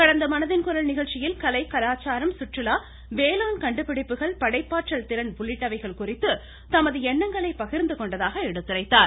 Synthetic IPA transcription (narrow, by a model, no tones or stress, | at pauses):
kɐɽɐnd̪ɐmɐnɐðɪnkʊɾɐɭnɪɣɐɭt͡ʃːɪjɪlkɐlɐɪkɐlaːt͡ʃaːɾɐmsʊʈrɯlaː | ʋeːlaːnkɐɳɖɯpːɪɽɪpːɯɣɐɭpɐɽɐɪpːaːʈʈrɐɭt̪ɪɾɐnʋʊɭːɪʈːɐʋɐɪɣɐɭkʊrɪt̪ːɯ | t̪ɐmɐðɯɛɳːɐŋɡɐɭɐɪpːɐɣɪɾnd̪ɯkɔɳɖɐðaːɣɐɛɽɯt̪ːɪrɐɪt̪ːaːɾ